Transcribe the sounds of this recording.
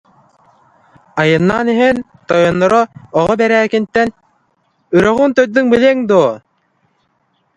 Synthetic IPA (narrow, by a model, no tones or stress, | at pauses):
ajɯnːaːniɦɛn | t̪ɔjɔnːɔɾɔɔʁɔbɛɾæːkint̪ːɛn | yɾœʁynt̪œɾd̪yŋbilʲɛŋd̪uɔ